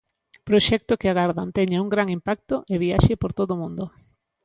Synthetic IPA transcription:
pɾoʃɛk̚t̪okɪaɣaɾðant̪ɛɲauŋɡɾaŋimpak̚t̪oʔeβiaʃɪpoɾt̪oðomũnd̪o

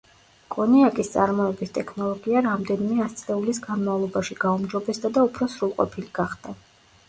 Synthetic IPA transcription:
kʼɔniakʼist̪sʼa̰ɾmɔɛbist̪ʼɛkʰnɔlˠɔɡiaɾamd̪ɛnimɛast̪sʼlɛulisɡanmavlˠɔbaʃiɡ̥aumd͡ʒɔbɛsd̪ad̪aupʰɾɔsɾulˠqʼɔ̰pʰiliɡ̥aχd̪a

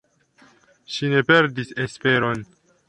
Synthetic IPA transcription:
ʃine̞peɾdisespe̞ɾo̞n

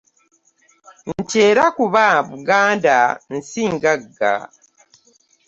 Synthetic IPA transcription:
n̩teːɾakuβaβuɡaːndan̩siːŋɡaɡːa̰

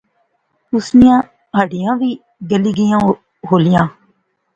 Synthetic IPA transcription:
ʊsnɪjãː | ɦaːɖɪjãːʋiː | ɡəliːɡɪjãː | ɦoːlɪjãː

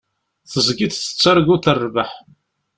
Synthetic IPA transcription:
θəzɡiθθə̥t͡sːəɾˤɡuθərˤːvəħ

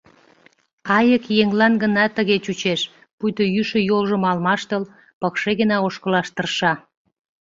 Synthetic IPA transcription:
ɑjəkjeŋlɑnɡənɑt̪əɣet͡ɕut͡ɕeʃ | pujt̪ojyʃə̆jolʒə̆mɑlmɑʃt̪əl | pəkʃeɣənɑoʃkəlɑʃt̪ərʃɑ

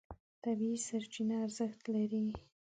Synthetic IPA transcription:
t̪abiisaɾt͡ʃinaːɾzəxt̪laɾi

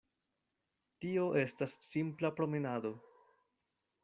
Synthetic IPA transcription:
tio̞ʔe̞stasːimplapɾo̞menado̞

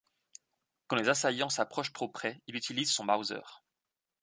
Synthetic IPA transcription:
kɑ̃lezasajɑ̃sapχɔʃt̪χopχɛilyt̪ilizsɔ̃bawzœ̰ːʁ

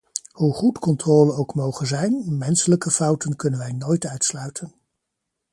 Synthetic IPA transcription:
huχutkɔntrɔːlənowkmowχənzɛjnmɛnsələkəfɑwtənkɵnənʋɛjnoːjtœɥtslœɥtʰən

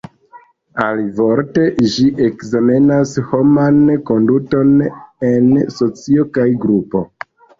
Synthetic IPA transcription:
alivo̞ɾte̞ʒiʔe̞kzame̞nasho̞manko̞nduto̞ne̞nso̞t͡siokajɡɾupo̞

